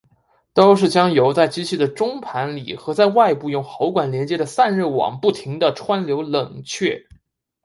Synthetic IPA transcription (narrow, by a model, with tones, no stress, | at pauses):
t̪o˥ʊʂ̬ɻ̩˥˩t͡ɕjɑ˥ŋjo˧˥ʊt͡sa˥˩ɪt͡ɕi˥t͡ɕʰi˥˩d̪ə˩ʈ͡ʂʊ˥ŋpʰa˧˥nlḭ˨˩xɤ˧˥t͡sa˥˧ɪwa˥˧ɪpu˥˧jʊ˥˩ŋxɑ˧˥ʊkwa˨˩nljɛ˧˥nt͡ɕjɛ˧˥d̪ə˨sa˥˧nɻə˥˩wɑ̰˨˩˦ŋpu˥˩t̪ʰi˧˥ŋd̪ə˧ʈ͡ʂʰwa˥nljo˧˥ʊlə˨˩ŋt͡ɕʰɥɛ˥˩